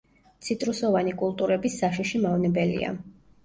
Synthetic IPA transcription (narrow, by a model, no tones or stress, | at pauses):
t̪sʰit̪ʼɾusɔvanikʼulˠt̪ʼuɾɛbisːaʃiʃimavnɛbɛlḭa̰